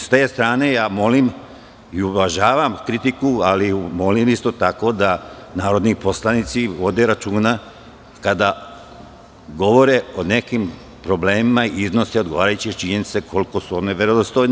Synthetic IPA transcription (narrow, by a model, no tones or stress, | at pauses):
st̪eːst̪ɾaːne̞jaːmo̞lim | iuʋaʒaːʋamkɾit̪ikualimo̞limist̪o̞t̪ako̞d̪anaːɾo̞d̪nipo̞slˠanit̪siʋo̞d̪e̞ɾat͡ʃuːna | kad̪a | ɡo̞ʋo̞ɾe̞one̞kim | pɾo̞bleːmimaiiznoseod̪ɡo̞ʋaːɾajut͡ɕit͡ʃiɲenit̪se̞kʰo̞likosuoneʋeɾod̪ost̪ojne